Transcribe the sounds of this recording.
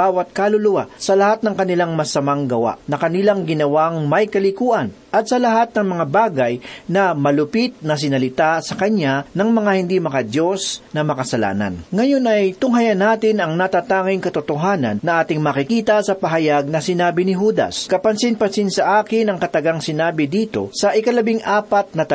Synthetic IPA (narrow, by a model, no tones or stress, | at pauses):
aːwɐt̪̚kalʊlʊwa̰sɐlɐhat̪̚nɐŋkɐnɪlaŋmɐsɐmaŋɡɐwa̰nɐkɐnɪlaŋɡɪnɐwaŋmɐjkɐlɪkuːʔɐn | ʔɐt̪̚sɐlɐɦat̪̚nɐŋmɐŋabaːɡɐjnɐmɐlʊpit̪̚nɐs̬ɪnɐlɪt̪asɐkɐɲanɐŋmɐŋahɪnd̪imɐkɐd̪jo̞snɐmɐkɐsɐla̰ːnɐ̰nŋɐjo̞nɐjt̪ʊŋɦɐjɐnaːt̪ɪnɐŋnɐt̪aːt̪aːŋɪŋkɐt̪ʊt̪oɦaːnɐ̰nːɐʔaːt̪ɪŋmakɪkiːt̪ɐsɐpɐɦɐjaɡ̚nɐsɪnaːbɪnɪɦuːd̪ɐ̰skɐpɐnsɪnpɐsɪnsɐʔaːkɪnɐŋkɐt̪ɐɡaŋsɪnaːbɪd̪iːt̪o̞̰sɐʔɪkɐlɐbiŋʔaːpɐt̪̚nɐt̪ɐ